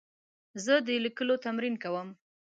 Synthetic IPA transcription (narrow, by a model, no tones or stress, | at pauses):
zəd̪əlikəlot̪amɾinkawəm